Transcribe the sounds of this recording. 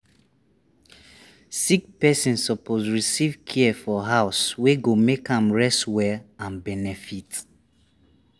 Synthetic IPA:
sikpɛsĩnsɔpozɹisivkʰiɛfɔɦaʊsweɡomekãmɹɛstwɛlãnbɛnɛfit

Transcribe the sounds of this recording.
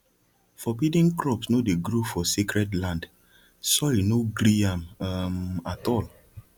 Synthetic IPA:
fɔpidĩŋkɹɔpsnodeɡɾofɔsikɹɛdlãnd | sɔinoɡɾiãmmatɔl

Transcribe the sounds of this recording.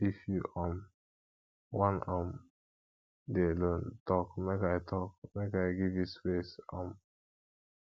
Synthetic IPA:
ifjuʔam | wãnãm | delõntɔkmekaɪtʰɔkmekaɪɡivispesãm

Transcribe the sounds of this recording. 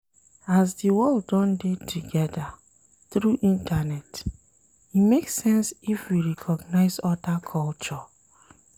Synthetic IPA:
azdiwɔldːɔ̃ndetʰuɡɛda | θɹuʔĩntʰanɛt | imeksɛ̃nsifwiɹɛkʰɔɡnaɪzɔdakʰɔlt͡ʃɔ

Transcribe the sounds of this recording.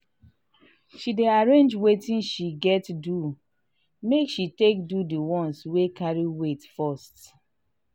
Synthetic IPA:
ʃideaɹẽnd͡ʒwetĩnʃiɡɛtdu | mekʃitek̚dudiwɔ̃nswekaɹiwetfɔst

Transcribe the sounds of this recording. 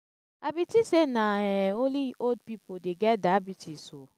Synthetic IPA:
abitisenaɛoliod̚pipodeɡɛdaabitiso

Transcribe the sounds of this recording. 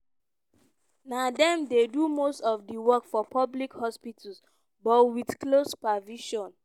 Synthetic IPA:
nadɛ̃mdedumostɔfdiwɔkfɔpʰɔblikhɔspitʰls | bɔtwidklospaviʃɔ̃n

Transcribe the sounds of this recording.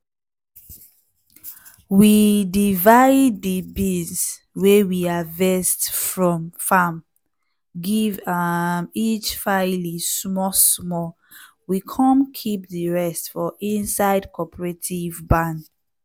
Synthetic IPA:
widivaɪdːəbĩns | wewiavɛstfɹɔ̃mfam | ɡivamit͡ʃfalismɔsmɔl | wikʰɔ̃mkʰip̚ðəɹɛstfɔʔĩnsaɪdkʰɔpʰəɹetʰivbãn

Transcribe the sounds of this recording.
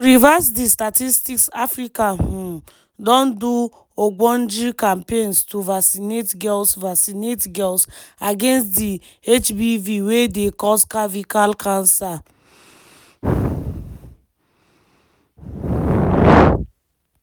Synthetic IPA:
ɾivasdistatistiksafɾikaɦu | dɔ̃ndu | oɡ͡bɔn̩d͡ʒikampenstuvasinetɡɛlsvasinetɡɛlsaɡenstdi | et͡ʃbiviwedekɔskavikalkʰãnsa

